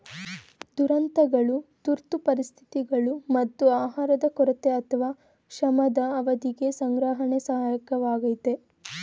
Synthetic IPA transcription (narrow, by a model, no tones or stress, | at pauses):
d̪̥uɾɐnt̪ɐɡɐɭut̪uɾt̪upɐɾist̪ʰi̥t̪iɡɐɭumɐt̪ːuaːɦaːɾɐd̪ɐkɔɾɐt̪eɐt̪ʰɐʋaː | kʂɐmɐd̪ɐːʋɐd̪iɡe̞sɐŋɡɾaːɦɐɳesɐɦaːjɐkɐʋaːɡɐjt̪e